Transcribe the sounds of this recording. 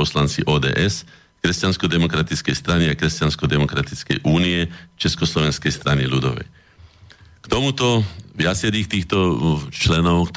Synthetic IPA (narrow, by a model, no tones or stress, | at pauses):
ɔslant͡siʔɔːd̪ɛ̰ːʔɛs | kɾɛscanskɔd̪ɛmɔkɾat̪it͡skɛjst̪ɾaniakɾɛscanskɔd̪ɛmɔkɾat̪it͡skɛ̰jʔuːniɛt͡ʃɛskɔslɔʋɛnskɛjst̪ɾanilud̪ɔ̰ʋɛ̰j | kt̪ɔmut̪ɔʋɪat͡sɛɾiːxt̪iːxt̪ɔt͡ʃlɛnɔʊkt̪